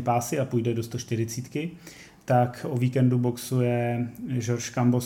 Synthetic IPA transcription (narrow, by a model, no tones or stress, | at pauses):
paːsɪapujdɛdo̞st̪o̞ʃt̪ɪɾɪt͡siːt̪kɪ | t̪akʔoviːkɛndubo̞ksujɛʒoɾʃkambo